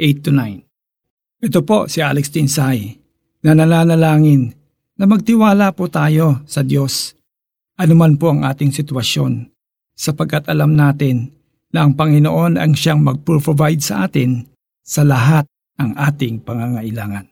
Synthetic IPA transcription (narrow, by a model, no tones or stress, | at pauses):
ʔejt̪ːʊnajn | ʔɛt̪opo̞sɪʔalɛkst̪ɪnsaj | nɐnɐnaːnɐlaːŋɪnː | ɐmɐɡ̚t̪ɪwaːlapot̪aːjo̞sɐd̪jo̞s | ʔɐnʊmanpo̞ʔɐŋʔaːt̪ɪŋsɪt̪wɐʃjo̞n | sɐpɐɡ̚kːat̪ʔɐlamnaːt̪ɪnː | ɐɐŋpɐŋɪnoʔo̞nɐ̰ŋʃaŋmɐɡ̚pɾopɾovajd̪̚sɐʔaːt̪ɪn | sɐlɐɦat̪̚ | nɐŋʔaːt̪ɪŋpɐŋaŋɐʔɪlaːŋɐ̰n